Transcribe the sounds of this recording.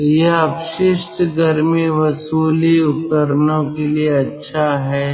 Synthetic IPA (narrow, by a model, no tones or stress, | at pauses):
jeɦɐbʃɪʃt̪ɡɐɾmiʋɐsuːliʊt̪əɾnõkelieɐtːʃʰaɦɛː